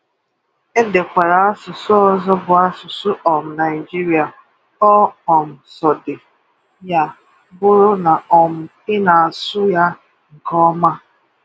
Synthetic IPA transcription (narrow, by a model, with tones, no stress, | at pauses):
e˦de˨kʷa˨ɾa˨a˦sʊ˨sʊ˦ɔ˦zɔ˦bʊ˨a˦sʊ˨sʊ˦ʔɔ˨m̩˨na˨ɪ˨d͡ʒi˦ɾi˨a˨ | ɔ˦ɔ˨m̩˨sɔ˨dɪ˨ | ja˦ | bʊ˦ɾʊ˦na˨ɔ˨m̩˨ | ɪ˦na˨a˨sʊ˦ja˦ | ŋ̩˨kɔ˦ma˦